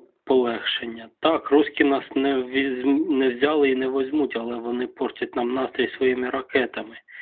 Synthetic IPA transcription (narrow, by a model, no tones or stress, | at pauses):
pɔlˠɛxʃenʲːɐt̪ɑkrusʲkʲinɑsnɛʋʲinɛwzʲɑlˠɪinɛʋɔzʲmutʲɐlˠɛʋɔnɪpɔrtʲɐt̚ʲnɑmnɑst̪ɾʲisʋɔjimɪɾɐkɛt̪ɐmɪ